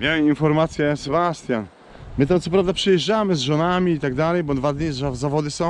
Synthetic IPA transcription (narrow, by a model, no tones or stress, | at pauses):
mjawɛminfɔɾmat̪sʲjɛsɛbast̪ʲjan | mɘt̪amt̪sɔpɾavd̪apʂɛjɛʐd͡ʒamɘzʐɔnamʲiːt̪aɡd̪alɛjbɔd̪vad̪ɲizazavɔd̪ɘsɔ̃w̃